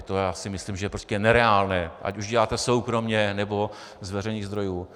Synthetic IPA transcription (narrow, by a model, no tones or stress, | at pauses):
t̪ojaːsɪmɪsliːmʒɛpɾoscɛnɛɾɛaːlnɛːʔa̰cuʒɟɛlaːt̪ɛso̞wkɾo̞mɲɛnɛbo̞ | zvɛrɛniːɣzd̪ɾo̞juː